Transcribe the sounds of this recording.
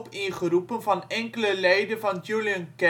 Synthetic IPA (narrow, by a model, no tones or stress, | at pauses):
piχəɾupənfɑnɛŋkələlɛjdəfɑnd͡ʒuliənkɛ